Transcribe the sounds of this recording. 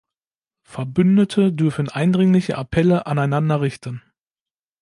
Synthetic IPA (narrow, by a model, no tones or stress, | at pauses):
fɛɐbʏndətʰədʏɐfn̩ʔaɪndʁɪŋlɪçə̰ʔapʰɛləʔanaɪnandɐʁɪçtən̩